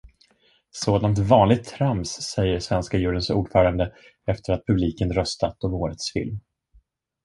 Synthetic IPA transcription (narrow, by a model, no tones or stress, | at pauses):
soːd̪ant̪vɑːnlɪɡ̚t̪ʰːɾamsːɛjːəʂvɛnskajʉ̟ːɾənsṵːɖfœːɾand̪ə | ɛft̪əɾat̪̚pʰɵbliːkənɾœst̪at̪ːɔvoːɾət̪sfɪ̰lm